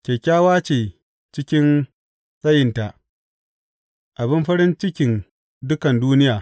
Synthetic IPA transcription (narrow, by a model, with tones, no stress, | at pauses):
kʲeː˨kʲaː˦waː˦t͡ʃeː˨ | t͡ʃɪ˦kʲɪ˦n | sʼɐ˦jɪ˨nta˨ʔ | ʔa˨bɪ˦mɸɐ˦ɾɪ˦nt͡ʃɪ˦kʲɪ˨n | dʊ˦kɐ˨nduː˦nɪ˦jaː˨